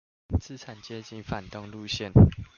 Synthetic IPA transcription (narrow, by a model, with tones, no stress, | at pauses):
t͡sɹ̩˥˦ʈ͡ʂʰa˨˩nt͡ɕjɛ˥˦t͡ɕi˥˧nfa˨˩nt̪ɤ˥˧ŋlu˥˧ɕjɛ˥˨n